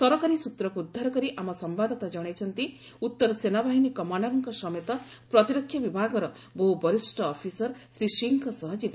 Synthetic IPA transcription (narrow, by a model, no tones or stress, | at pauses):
sɔɾɔkaɾisut̪ɾɔkuud̪ʱːaɾɔkɔɾiʔamɔsɔmbad̪ʱɔt̪ad͡ʒɔɽ̃ejt͡ʃʰɔnt̪i | ut̪ːɔɾɔsenabaɦinikɔmaɳɖɔɾɔŋkɔsɔmet̪ɔ | pɾɔt̪iɾɔkʰːjɔbibʱaɡɔɾɔ | boɦubɔɾisʈɔːpʰisɔɾsɾisiŋkʰɔsɔɦɔd͡ʒib